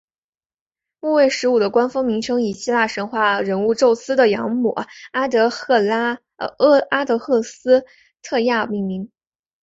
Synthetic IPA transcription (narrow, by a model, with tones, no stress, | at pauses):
mu˥˧we˥˩ɪʂɻ̩˧˥u˨˩d̪ə˦kwa˥nfɤ˥ŋmi˧˥ŋʈ͡ʂʰɤ˥ŋi˨˩ɕi˥la˥˩ʂə˧˥nxwa˥˩ɻə˧˥nu˥˧ʈ͡ʂo˥˩ʊsɹ̩˥d̪ə˨jɑ˧˥ŋmṵ˨˩a˥t̪ɤ˧˥˩ | a˥t̪ɤ˧˥xʰɤ˥˩sɹ̩˥ | t̪ʰɤ˥˧ja˥˩˧mi˥˩ŋmi˧˥ŋ